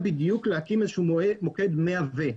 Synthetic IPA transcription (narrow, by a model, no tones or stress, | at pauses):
bid̪juklehakimezʃumoked̪meave